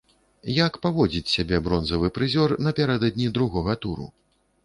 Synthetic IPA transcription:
jakpavɔd͡zʲit͡sʲsʲabʲɛbɾɔnzɐvɨpɾɨzʲɔrnɐpʲaɾɛd̪ɐd̪̚ʲnʲid̪ɾuɣɔɣɐt̪uɾṵ

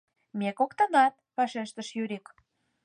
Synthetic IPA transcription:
mekokt̪ə̆nɑt̪̚pɑʃeʃt̪ə̆ʃjyɾʲik

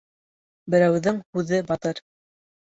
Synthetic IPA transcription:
bɘ̆ɾæwðɘŋhʉðɘbɑt̪ɤɾ

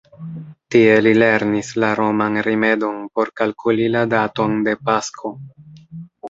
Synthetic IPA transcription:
tie̞lile̞ɾnislaɾo̞manɾime̞do̞npo̞ɾkalkʰuliladato̞nde̞paskʰo̞

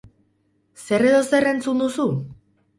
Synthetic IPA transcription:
se̞reðo̞se̞re̞nt͡sund̪usu

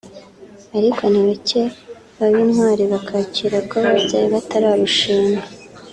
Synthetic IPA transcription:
aɾikʰo̞niβace | βaβinhwaːɾiβakʰaciɾakoβaβabɟaːjiβataɾaːɾuʃiːŋa

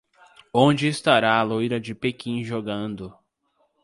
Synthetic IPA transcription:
õd͡ʒɪːst̪aɾaːlojɾɐd͡ʒɪpekĩʒoɡɐ̃nd̪ʊ

